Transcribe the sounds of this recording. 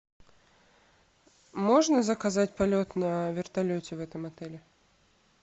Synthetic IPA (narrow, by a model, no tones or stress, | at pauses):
mo̞ʐnəzəkɐzatʲpɐlʲo̞t̪nəvʲɪrt̪ɐlʲotʲɪvɛt̪əmɐt̪ɛlʲɪ